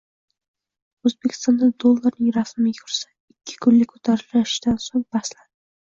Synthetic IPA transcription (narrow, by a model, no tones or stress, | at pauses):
ɵzbe̞kʲʰɪ̥st̪ɒnd̪ad̪olˠːaɾnɪŋɾasmɪjʲʰʊɾsḁ | ɪkʲʰːɪ̥kʰʊnlɪkʲʰɵ̥t̪ʰaɾɪlaɪʃd̪ansoŋbasland̪ɪ